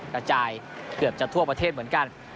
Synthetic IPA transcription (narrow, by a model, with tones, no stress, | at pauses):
ka˧t͡ɕaː˧jkɯ˨˩əp̚t͡ɕa˨˩t̪ʰu˥˩ɐpa˧eː˥˩t̪̚mɯ˩˦ənŋka˧n